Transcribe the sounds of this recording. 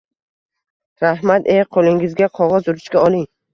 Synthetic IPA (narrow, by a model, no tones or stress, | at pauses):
ɾahmat̪eqʰolˠɪŋɪzɡʲaqʰɒʁɒzʊɾɪt͡ʃkʲaɒlˠɪŋ